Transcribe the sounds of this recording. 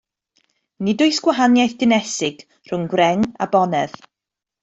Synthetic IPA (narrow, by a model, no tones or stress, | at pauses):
nɪdʊjsɡ̥waɦanjajθɡ̥ɪnɛsɪɡ̥ | r̥ʊnɡwɾɛŋa̰bɔnɛð